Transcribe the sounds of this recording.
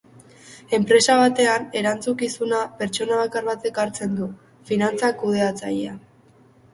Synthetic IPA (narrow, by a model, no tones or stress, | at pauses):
e̞mpɾe̞saβ̞at̪e̞ane̞ɾant͡sukisunape̞ɾt͡ʃo̞naβ̞akarβat̪e̞kaɾt͡se̞nd̪u | finant͡sakuð̞e̞at͡sa̰ʎea